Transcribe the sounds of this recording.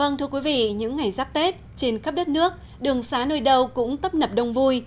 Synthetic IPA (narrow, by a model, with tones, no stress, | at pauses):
və˧ŋt̪ʰɨ˧əkwi˨˦vḭ˧˨ɲɨ̰˧˥ŋːa˨˩jzaː˦˥p̚t̪e˦˥t̚t͡ɕe˧nxə˦˥p̚ɗə˦˥t̚nɨ˦˥ək̚ | ɗɨ˨˩əŋsaː˨˦no˧˩jɗə˧wkʊ̰˧˥ŋ͡mt̪ə˦˥p̚nə˨˩p̚ɗə˧wŋ͡mvu˧j